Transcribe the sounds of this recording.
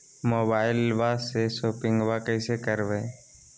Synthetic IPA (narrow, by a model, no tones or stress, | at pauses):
moːbaːɪlʋasesoːpɪ̃ŋɡʋakəɪsekəɾʋeː